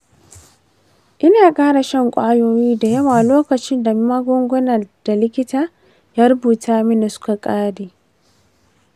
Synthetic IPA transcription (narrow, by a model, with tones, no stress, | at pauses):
ʔɪ˦naː˨kʼaː˦ɽa˨ʃɐ˦ŋkʷʼaː˦joː˦jiː˦da˨jɐ˦waː˨loː˦kɐ˨t͡ʃɪ˦nda˨˦maː˦ɡʷʊ˦ŋɡʷʊ˦nɐ˨d̥a˨lɪ˦kʲɪ˦taː˨ | jaː˦ɾʊ˦buː˨tʰaː˦mɪ˦nɪ˨sʊ̥˦ka˨kʼaː˦deː˨